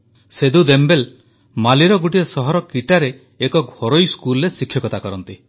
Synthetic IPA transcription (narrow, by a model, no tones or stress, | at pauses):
sed̪ud̪embel | maliɾɔɡuʈiesɔɦɔɾɔkiʈaɾeː | kɔɡʱoɾojskulɾesikʰjɔkɔt̪akɔɾɔnt̪i